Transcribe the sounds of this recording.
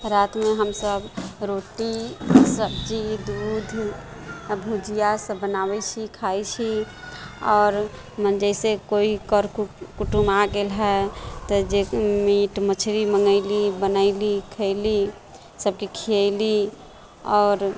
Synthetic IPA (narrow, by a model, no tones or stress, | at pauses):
ɾat̪meɦəmsəbɾoʈisəbd͡ʒid̪ud̪ʱ | bʱud͡ʒijasəbənabɛt͡ʃʰikʰajt͡ʃʰi | ɔːɾ | mənd͡ʒəɪsekoikəɾkukuʈumaɡelɦɛt̪ɔd͡ʒemiʈmət͡ʃʰɾiməŋɡəɪlibənəɪlikʰəɪli | səb̚kikʰiəɪli | ɔːɾ